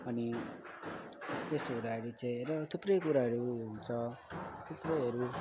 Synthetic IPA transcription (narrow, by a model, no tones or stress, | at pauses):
ʌni | t̪est̪oɦud̪aʌɾit͡saĩɾʌt̪ʰuprʌjkuɾaɦʌɾuɦunt͡sʰʌt̪ʰuprʌjɦʌɾu